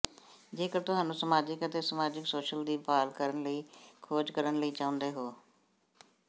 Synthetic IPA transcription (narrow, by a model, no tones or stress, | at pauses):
d͡ʒeːkəɾt̪ʊɦaːnũːsəmaːd͡ʒɪkət̪eːsəmaːd͡ʒɪksoːʃəld̪iːpaːlkəɾənləiːkʰoːd͡ʒkəɾənləiːt͡ʃãːʊ̃nd̪eːɦoː